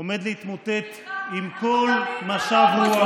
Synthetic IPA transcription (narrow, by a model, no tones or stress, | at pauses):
ome̞d̪leit̪mot̪e̞t̪imkolmaʃavhu